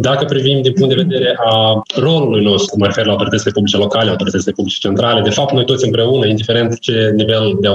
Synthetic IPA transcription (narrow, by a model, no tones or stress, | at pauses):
d̪akəpɾivimd̪inpuŋt̪d̪eve̞d̪e̞ɾe̞ʔaro̞lulujno̞st̪ɾuməɾe̞fe̞rlawt̪oit̪ət̪ile̞publʲit͡ʃe̞lo̞kaleawt̪o̞ɾit̪ət̪silepublit͡ʃe̥t͡ʃe̞nt̪ɾale̞d̪e̞fap̚t̪no̞jt̪osʲɨmpɾe̞unəind̪ife̞ɾe̞nt̪t͡ʃe̞nive̞ld̪e